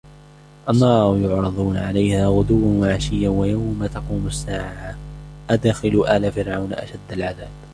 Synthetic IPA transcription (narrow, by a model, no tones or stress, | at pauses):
ʔanːɑːɾˤjʊʕɾˤɑðˤuːnaʕalajhaːɣʊd̪ʊwːanwaʕaʃɪjːawajawmat̪ɑquːmʊsːaːʕʕaʔad̪xɪlʊʔaːlaːfɪɾʕawnʔa̰ʃad̪ːalʕaðaːb̚